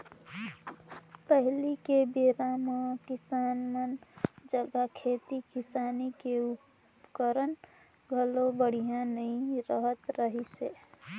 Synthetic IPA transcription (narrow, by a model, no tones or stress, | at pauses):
pəɦlikebeɾamakɪsaːnmənd͡ʒəɡakʰeːt̪ikɪsaːnikeʊp | kəɾən | ɡʱəlobəɽ̤ijãnəɦĩɾəɦət̪ɾəɦiseː